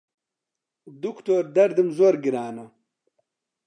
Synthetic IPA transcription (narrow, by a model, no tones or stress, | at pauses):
d̪ukt̪oɾd̪ɐɾd̪imzoːɾɡiɾaːnɐ